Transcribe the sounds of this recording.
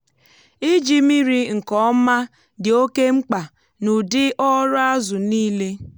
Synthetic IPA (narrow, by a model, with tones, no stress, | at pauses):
i˦d͡ʒi˦mi˦ɾi˨ŋ̩˨kɔ˦ma˦ | dɪ˨o˦ke˦ŋ͡m̩˦k͡pa˨ | nʊ˨dɪ˦ʔɔ˦ɾʊ˦a˦zʊ˨niː˦le˦